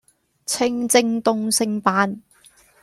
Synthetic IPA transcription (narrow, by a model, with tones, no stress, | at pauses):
t͡sʰɪ˧ŋt͡sɪ˧ŋt̪ʊ˧ŋsɪ˨˧ŋpaː˧n